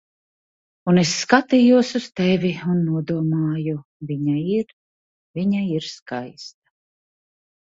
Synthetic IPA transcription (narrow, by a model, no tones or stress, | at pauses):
unesːkat̪iːjuɔsust̪ɛvʲiunːuɔd̪uɔmaːju | vʲiɲaiɾ | viɲaiɾskajst̪̚ḁ